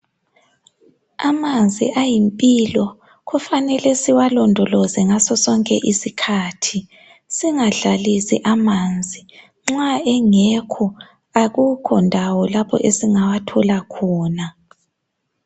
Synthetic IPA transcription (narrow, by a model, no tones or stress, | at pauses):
amand͡zʱḭʔajimpʼiːlɔ | ɣufanɛlɛsiwalɔndʱɔlɔzɛŋasɔsɔŋkʼɛ̰ʔisikʰaːtʰi | siŋaɮalisḭʔamand͡zʱi | ŋ͡ǁwaɛŋɛkʰɔ | aɣukʰɔndʱawɔlapʰɔ̰ʔesiŋawatʰɔlakʰɔːna